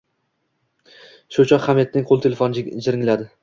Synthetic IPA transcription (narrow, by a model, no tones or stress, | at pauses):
ʃʊt͡ʃʰɒqχamet̪̚nɪŋqʰolˠɪt̪ʰelʲefonɪd͡ʒʲd͡ʒɪɾɪŋlad̪ɪ